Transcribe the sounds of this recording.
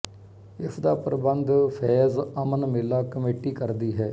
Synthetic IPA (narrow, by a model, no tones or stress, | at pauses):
ɪsʰd̪aːpəɾəbənd̪pʰɛːzəmənmɪlːaːkəmeːʈiːkəɾd̪iːɦɛː